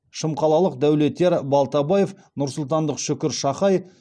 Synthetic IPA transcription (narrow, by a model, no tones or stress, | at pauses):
ʃəmqɑlˠɑlˠəq̚d̪æwle̞t̪ːe̞ɾbɑlˠt̪ɑbaje̞f | nʊɾsʊlˠt̪ɑnd̪əqʃʏkʲɪɾʃɑχɑj